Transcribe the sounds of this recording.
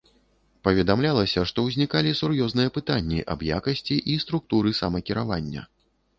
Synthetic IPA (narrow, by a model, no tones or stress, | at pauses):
pɐvʲɛd̪amlʲalˠɐsʲɐʂt̪ɔwzʲnʲikalʲisurjɔznɨjɐpɨt̪anʲːḭʔɐ̰bja̰kɐsʲt͡sʲiʔist̪ɾuk̚t̪uɾɨsamɐkʲiɾava̰nʲːɐ̰